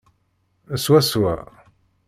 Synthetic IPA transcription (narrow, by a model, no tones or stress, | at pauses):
əswæswæ̰